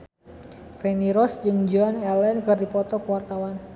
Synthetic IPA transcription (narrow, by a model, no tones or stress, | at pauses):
fɛniɾɔsd͡ʒɨŋd͡ʒanɛlɛnkɨrdipɔt̪ɔkəwart̪awan